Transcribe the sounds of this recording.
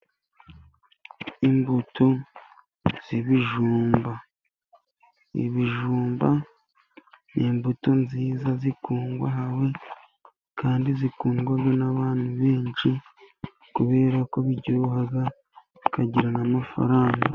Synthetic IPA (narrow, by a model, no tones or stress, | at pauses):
imbutʰo̞ | z̥iβiʒuːmba | ḭβiʒuːmba | niːmbuto̞nziːzazikuːŋɡwaɦawe̞ | kaːndizikuːŋɡwaɡanaβaːnhuβe̞ːnʃi | kuβe̞ːɾako̞βiɟuɾuhaɡa | kaɟiɾanamafa̰ɾaːŋɡa